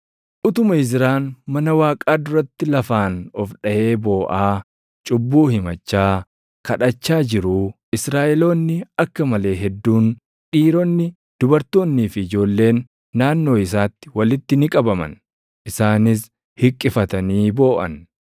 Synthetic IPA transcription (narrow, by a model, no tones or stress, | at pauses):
ʔʊt̪ʊmɐɪzɪɾaːnmɐnɐwaːkʼaːd̪ʊɾɐt̪ːɪlɐfaːnɔfᶑɐʔe̞ːbo̞ːʔaː | t͡ʃʼʊbːuːhɪmɐt͡ʃːaː | kʰɐᶑɐt͡ʃːaːd͡ʒɪɾu | ɪsɾaːʔɛlo̞ːnːɪɐkːɐmɐle̞ːɦɛd̪ːuːn | ᶑiːɾoːnːɪ | d̪̥ʊbɐɾt̪o̞ːnːiːfɪd͡ʒo̞ːlːe̞ːnː | aːnːo̞ːɪs̬aːt̪ːɪ̥wɐlɪt̪ːɪnɪkʼɐbɐmɐ̰n | ʔɪsaːnɪs | hɪkʼːɪfɐt̪ɐniːbo̞ːʔɐ̰n